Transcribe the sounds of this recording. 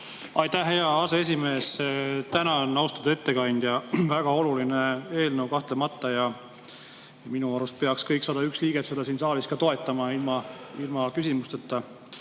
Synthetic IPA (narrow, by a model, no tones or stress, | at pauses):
ɑjt̪æhːe̞ɑɑsee̞sʲime̞ːst̪ænɑnːɑwst̪ɑd̪ɑe̞t̪ːe̞kɑnʲd̪̥jɑvæɡ̥ɑo̞lulinee̞ːlnəwkɑht̪le̞mɑt̪ːˑɑjɑ | ɑminuɑɾust̪̚pe̞ɑkskɤjksɑːd̪̥ɑyksliːɡ̥e̞t̪se̞d̪ɑsiːnsɑːliskɑt̪o̞e̞t̪ːˑɑmɑilmɑ | ilmɑkysimust̪et̪ːɑ